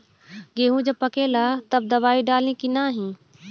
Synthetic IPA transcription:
ɡeːɦũd͡ʒəb̚pɐkelat̪ɐb̚d̪ɐbaːiɖaːlnikinaːɦĩː

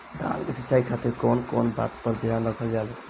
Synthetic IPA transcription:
d̪a̰lkesit͡ʃaikʰat̪eɾkonkonba̰t̪pəɾd̪ʱjanɾəkʰəld͡ʒalɛ

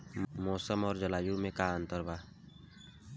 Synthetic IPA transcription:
mɔːsəmɔːɾd͡ʒəlaːjumẽkaənt̪əɾbaː

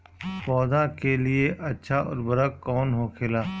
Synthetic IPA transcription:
fɔːd̪ãkelieʔɐtːʃʰaɔ̰ːɾbəɾəkːɔːnɦoːkʰɪlaː

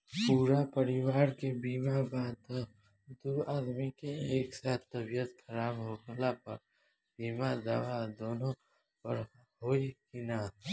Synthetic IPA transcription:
puːɾapəɾɪwaːɾkebiːmabaːd̪a | d̪uːɾaːd̪mikeeːksaːt̪ːəbijət̪kʰəɾaːbɦoːkəlapɐ̰ɾ | b̥iːmad̪əʋad̪oːnõ | pəɾ | ɦoːikɪnaː

